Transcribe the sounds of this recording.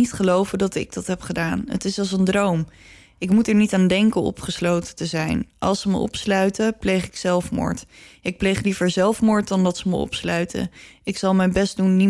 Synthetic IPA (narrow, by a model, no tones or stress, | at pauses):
itχəlowvədɑtɪ̰ɡ̚dɑtɦɛpχədaːnɦə̰tɪsɑlˠs̬əndrowm | ɪkmutɛɹnitaːndɛŋkənɔ̰pχəslowtətəzɛjnʔɑ̰lˠsəməʔɔ̰pslœɥtəplejχɪksɛlˠfmʊ̰ːɹtɪk̚plejχlivəɹzɛlˠfmʊːɹt̚dɑndɑtsəməɔ̰pslœɥtʰə̰ɪksɑlˠmɛjnbɛstdunːi